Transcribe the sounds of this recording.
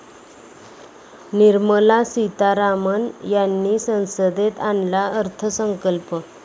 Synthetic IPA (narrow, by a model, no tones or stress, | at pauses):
niɾməlasit̪aɾamənjanːiːsə̃w̃səd̪et̪anlaəɾt̪ʰəsəŋkəlpə